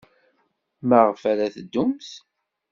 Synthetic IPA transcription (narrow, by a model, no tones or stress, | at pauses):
məʁfæɾæθd̪ːumθ